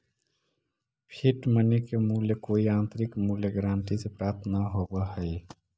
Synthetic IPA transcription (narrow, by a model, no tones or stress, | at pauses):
pʰiʈmənekemuːljəkoːiãːnt̪ɾɪkmuːljəɡɾãːɳʈisepɾaːɾt̪ʰnaɦobəhəi